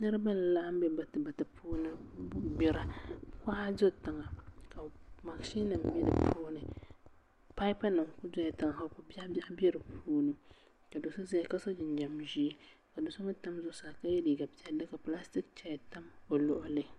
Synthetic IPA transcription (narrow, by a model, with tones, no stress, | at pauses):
nɨ˦ɾɨ˦ba˦lɨ˨la˦ʔa˦m˦bɛ˦ba˨tɨ˨ba˨tɨ˨pʰuː˦nɨ˦bɪ˦˨ɾa˦ka˦a˦zo˦ta˨ŋa˨ka˨ma˨kʃi˦na˨m˨bɛ˦dɨ̰˨pʰuː˦nɨ˨ | pa˦i˦pa˦nɨ˨ŋkʊ˦da˦jɛ˨ta˨ŋa˨ha˦kʊ˨ba˦bʲa˦ʔbɛ˦ɾɨ˨pʰuː˦nɨ˨ | ka˨do˨sʊ˦za˦ka˦so˦d͡ʒɪ˨n˨d͡ʒa˨mʒi˦ | ka˨do˨so˦ŋɨ˦ta˦mzʊ˦saː˨ka˦jɛ˦liː˨ɡa˨bi˨ɛ˨dɨ˦ka˨pla˦stɪ˦k̚t͡ʃɛ˦jta˦mo˨lʊ˨ʔʊ˦lɨ˦